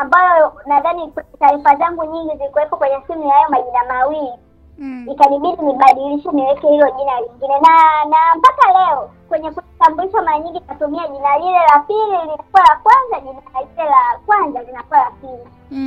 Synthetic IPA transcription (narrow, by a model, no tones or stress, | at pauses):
ambajɔɔnaðanikwɛɲɛtaɾifazaŋɡuɲiŋɡizilikuwɛkakwɛɲɛsimujahajɔmaʄinamawili | ikaniɓiɗiniɓaɗiliʃɛniwɛkɛhilɔʄinaliŋɡinɛnanampakalɛɔkwɛɲɛkuitambuiʃamaɾaɲiŋɡikatumiaʄinalilɛlapililinakuwalakwanzaʄinaalilɛlakwanzalinakuwalapili